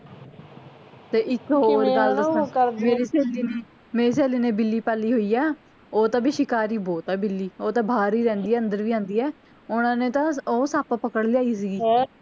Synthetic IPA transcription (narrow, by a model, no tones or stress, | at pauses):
t̪eːʔɪkɦoːɾɡəldəmeːɾiːseːliːneː | meːɾiːs̬eːliːneːbɪlːiːpaːliːɦoːiːɛː | oːt̪ãːbʱiːʃɪkaːɾiːbɔːt̪ɛːbɪlːiːoːt̪ãːbʱaːɾiːɾɛ̃ːnd̪iːɛːənd̪əɾʋiːãːnd̪iːɛː | ʊnãːneːt̪ãːoːsaːpaːpəkəɽliaːiːs̬iːɡiː